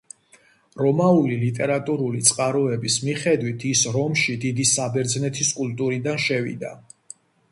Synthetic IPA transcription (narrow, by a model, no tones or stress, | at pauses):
ɾɔmaulilit̪ʼɛɾat̪ʼuɾulit̪sʼqʼaɾɔɛbismiχɛd̪wit̪ʰisɾɔmʃid̪id̪isabɛɾd̪znɛt̪ʰiskʼult̪ʼuɾid̪anʃɛvḭd̪a̰